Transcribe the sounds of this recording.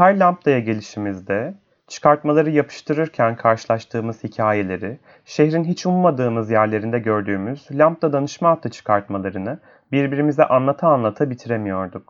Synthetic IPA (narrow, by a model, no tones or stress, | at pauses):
hæɾlʲamp̚t̪ˠajaɟe̞lʲiʃimizd̪ɛ | t͡ʃʰɯ̥kʰaɾt̪malˠaɾɯjapʰɯ̥ʃt̪ʰɯɾɯɾcʰænkʰaɾʃɯlˠaʃt̪ʰɯːmɯz̥hicʰaːje̞lʲe̞ɾɪ | ʃe̞çɾinɦit͡ʃunˠmad̪ɯːmɯzjæɾlʲe̞ɾind̪ɛɟø̞ɾd̪yːmyz̥lʲamp̚t̪ˠad̪anɯʃmaːkt̪ʰːɯt͡ʃʰɯ̥kʰaɾt̪malˠaɾɯnɯ | biɾbiɾimizɛʔanlˠat̪ʰaːnlˠat̪ʰabit̪ʰiɾemijo̞ɾd̪uk̚